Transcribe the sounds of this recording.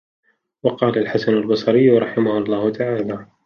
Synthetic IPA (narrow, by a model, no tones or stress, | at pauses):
wɑqɑːlalħasanalbɑsˤɑɾɪjːɾˤɑħɪmahʊɑlˤːɑːhʊt̪ʰaʕaːlaː